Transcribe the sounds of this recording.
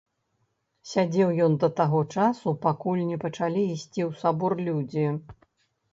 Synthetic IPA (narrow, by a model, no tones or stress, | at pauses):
sʲad͡zʲɛwjɔnd̪ɐt̪aɣɔt͡ʂasupakulʲnʲɛpɐt͡ʂalʲiːsʲt͡sʲiwsabɔrlʲud͡zʲi